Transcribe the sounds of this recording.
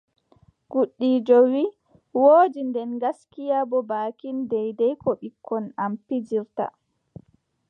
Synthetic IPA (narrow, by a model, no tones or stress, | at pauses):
ɡ̥uɗːiːd͡ʒowi | woːd͡ʒindɛnɡaskijabɔbaːkindɛjdɛjkɔɓikʰːɔnampid͡ʒiɾta̰